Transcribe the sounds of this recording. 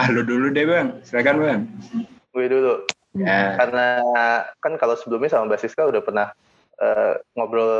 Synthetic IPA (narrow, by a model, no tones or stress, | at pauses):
aloduludɛbaŋsəakanbaŋ | uɛdulu | jakarəna | kankalosəbəlʊmɲasamabasɪskaudahpərnah | ʔə̰ːŋɔbɾɔl